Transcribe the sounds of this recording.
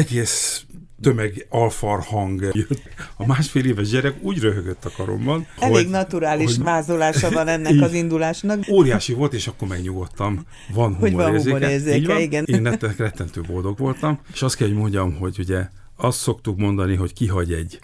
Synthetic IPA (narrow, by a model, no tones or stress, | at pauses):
ɛɡeːst̪ømɛɡɒlfɒrhɒŋɡjøt̪ːɒmaːʃfeːleːvɛʒɟɛɾɛɡuːɟrøɦøɡøt̪ːɒkɒɾo̰mbɒnɛoeɟːɡnɒt̪uɾaːlioʃʋaːzolaːʃɒvɒnɛnːɛkɒzind̪ulaːʃnɒkoːɾijaːʃivo̞lt̪eːʃɒkːo̞rmɛɡɲuɡo̞t̪ːɒm | vɒnɦumoɾeːrzeːɾɛeːrzeiːɟɒniɡɛneːnrɛt̪ːɛkrɛt̪ːɛnt̪øːbo̞ld̪o̞ɡʋo̞lt̪ɒmeʃɒst̪kɛlɦoɟmo̞ɲɟɒmho̞ɟuɟɛ | ɒst̪so̞kt̪ukmo̞nd̪ɒniɦo̞ckiɦɒɟɛɟ